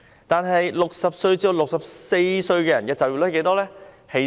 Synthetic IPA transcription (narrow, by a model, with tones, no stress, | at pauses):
t̪aː˨˧nɦɐ˨jlʊ˨k̚sɐ˨p̚sɵ˧ɥt͡siː˧˥o˨˩wlʊ˨k̚sɐ˨p̚se˧jsɵ˧ɥkɛː˧jɐ˨˩nkɛː˧t͡sɐ˨˩wjiː˨lɛ˥ke˨˧˥jt̪ɔː˥lɛː˥ | he˨˥